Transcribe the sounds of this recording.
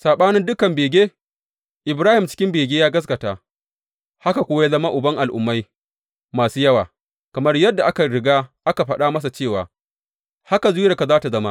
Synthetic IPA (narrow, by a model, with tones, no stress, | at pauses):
saː˨ɓaː˦nɪ˦ndʊ˦kɐ˨mbeː˨ɡʲeː˦ | ʔɪ˨bɾaː˦hɪ˨mt͡ʃɪ̥˦kʲɪ˦mbeː˨ɡʲeː˦jaː˦ɡɐ˦s̬kɐ˨taː˨ | ha˦ka˨kʷoː˦wa˦zɐ˦ma˦ʔʊ˨bɐ˦ŋʔa˨lʔʊ̰˨mːa˦j | maː˨suː˦jɐ˦waː˨ | kɐ˨mɐ˦rjɐ˦dːa˨ʔa˦ka˨ɽɪ˨ɡaː˦ʔa˦ka˨ɸɐ˦ɗa˦mɐ˦s̬a˨t͡ʃeː˦˨waː˨ | ha˦ka˨zuː˦jɐ˨ka˨zaː˦ta˨zɐ˦ma˦ʔ